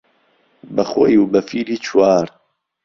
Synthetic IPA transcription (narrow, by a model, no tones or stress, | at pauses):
bɐxo̰juwbɐfiːɾiːt͡ʃʰwaːɾ